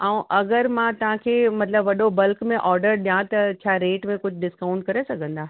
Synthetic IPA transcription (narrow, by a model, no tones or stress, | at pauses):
aũʔɐɡəɾmãt̪ɐʋ̤ãkʰeːmɐt̪ləbʋɐɗobɐlkmẽʔɔːɾɖəɾɗijãt̪ɐt͡ɕʰaːɾeːʈmẽkʊd͡ʑʱɖɪskaːʊ̃ɳʈ̚kɐɾesɐɡʱə̃nd̪aː